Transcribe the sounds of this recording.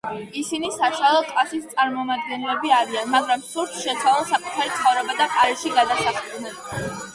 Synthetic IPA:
isinisaʃwalˠɔkʼasist̪sʼaɾmɔmad̪̚ɡɛnlɛbiaɾianmaɡɾamsuɾt̪ʰʃɛt̪sʰwalˠɛlˠsakʼut̪ʰaɾit̪sʰχɔvɾɛbad̪aqʼaɾɛʃiɡad̪asaχd̪nɛ

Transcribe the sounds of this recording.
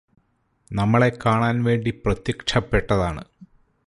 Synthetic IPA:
nɐmːɐɭe̞kːaːɳaːnʋe̞ːɳɖiprɐt̪jɐkʂʰɐpːeʈːɐðaːɳɨ

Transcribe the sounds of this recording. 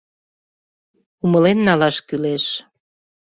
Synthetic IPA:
uməlenːɑlɑʃkyleʃ

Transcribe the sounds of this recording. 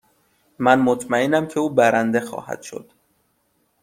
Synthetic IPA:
mænmot̪ʰmæenæmcʲʰe̞uːbæɾænd̪e̞xɒ̰ːhæ̰d̪̥ʃo̞̰d̪̥

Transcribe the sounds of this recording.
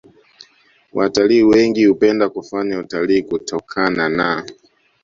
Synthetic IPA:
wʔataliːwɛŋɡihupɛndakufaɲautaliːkutʰɔkʰanana

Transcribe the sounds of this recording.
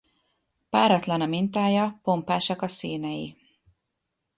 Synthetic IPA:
paːɾɒt̪lɒnɒmint̪aːjɒpo̞mpaːʃɒkɒsiːnɛji

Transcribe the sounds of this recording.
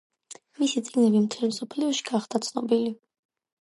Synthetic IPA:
misit̪sʼiɡnɛbimt̪ʰɛlmsɔpʰliɔʃi̥ɡ̥aχd̪at̪sʰnɔbili

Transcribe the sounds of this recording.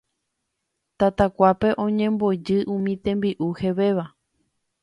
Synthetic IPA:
t̪at̪akʷape̞ʔõ̞ɲẽ̞mbo̞d͡ʒɨʔũmĩt̪ẽ̞mbiʔuheʋe̞ʋa

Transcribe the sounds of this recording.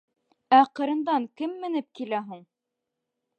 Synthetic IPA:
æqɤ̆ɾɤ̆nd̪ɑŋkɘmːɘ̆nɘp̚kilæɦuɴ

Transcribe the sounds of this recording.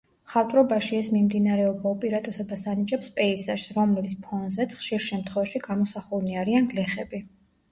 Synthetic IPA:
χat̪ʼɾɔbaʃiɛsmimd̪inaɾɛɔbaupʼiɾat̪ʼɛsɔbasanit͡ʃʼɛpspʼɛizaʃsɾɔmlɛlspʰɔnzɛt̪sʰχʃiɾʃɛmt̪ʰχwɛvaʃiɡamɔsaχulniaɾianɡlɛχɛbi

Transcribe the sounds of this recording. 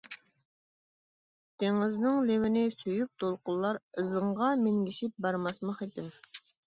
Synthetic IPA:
t̪ʰeŋɪznɨŋlewɪnɪsyjyp̚t̪ʰolˠqʊlˠːɑɾɨzəɴʁɑmeŋɡʲiʃip̚bɑɾmɑsmɑχed̪ɪm

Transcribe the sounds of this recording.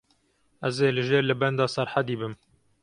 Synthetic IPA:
æzeːlɨʒeːɾlɨbɛnd̪ɑːsæɾħad̪iːbɨm

